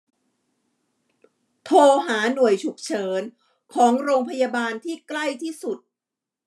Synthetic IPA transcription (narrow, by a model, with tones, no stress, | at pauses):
t̪ʰoː˧ɦaː˩˦nu˨˩əjt͡ɕʰu˨˩k̚t͡ɕʰɤː˩˦n | kʰɔː˩˦ŋɾoː˧ŋpʰa˧jaː˧baː˧nt̪ʰiː˥˩kla˥˩jt̪ʰiː˥˩su˨˩t̪̚